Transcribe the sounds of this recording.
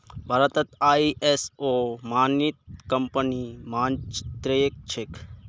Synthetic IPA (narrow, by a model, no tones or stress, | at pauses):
bʱɐɾət̪ɐt̪aːiʔesomaːnit̪̚kɐmpənimaːnt͡ʃt̪ɾeːk̚t͡ʃʰek